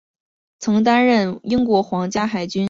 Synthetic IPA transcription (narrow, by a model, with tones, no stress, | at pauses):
t͡sʰɤ˧˥ŋt̪̬a˥nɻə˥˩ni˥ŋkwɔ˧˥xwɑ˧˥ŋt͡ɕja˥xa˨˩ɪt͡ɕy˥n